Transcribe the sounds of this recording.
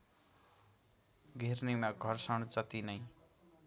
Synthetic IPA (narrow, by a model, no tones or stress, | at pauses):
ɡʱernimaɡʱʌrsʌɽ̃t͡sʌt̪inʌj